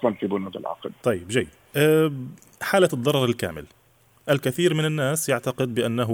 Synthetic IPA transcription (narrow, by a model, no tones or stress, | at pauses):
ʔɑˤlɑnfibʊnuːd̪ɪ̰lʕɑ̰qlt̪ˤɑjːɪbʒajː | ʔa | ħaːlad̪ˤːɑɾˤɑɾˤɪlka̰ːmɪ̰l | ʔalkaθiːɾmɪnɪnːaːsjaʕt̪aqɪd̪̚bɪʔanːaɦ